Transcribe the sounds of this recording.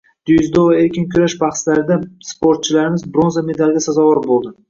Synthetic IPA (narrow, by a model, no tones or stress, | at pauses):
d̪̥ʊjzd̪ovae̞ɾkʲɪnkʲʰʊɾaʃbɑχslaɾɪd̪aspoɾt̪̚t͡ʃʰɪlaɾɪmɪzbɾo̞nzame̞d̪alˠɡʲasazɒvɒɾbolˠd̪ɪ